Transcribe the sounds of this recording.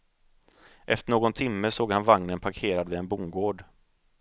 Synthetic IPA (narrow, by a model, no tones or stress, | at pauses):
ʔɛ̰ft̪əɳoːɡɔnt̪ʰɪmːəsoːɡhanvaŋnənpʰaɾkʰeːɾad̪vɪɛnbuːmɡoːɖ